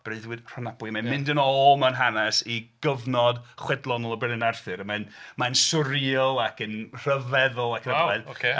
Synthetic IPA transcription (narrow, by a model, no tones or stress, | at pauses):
b̥reɨðwɨdr̥ɔnabwɨmanmɪ̃ndənɔlˠmawnɦanɛsiɡ̥əvnɔdχwɛdlˠɔnɔlˠəbɛnənarθɨɾəmanmansʊɾiɔlˠakənr̥əvɛðʊlˠakʰnɛðoke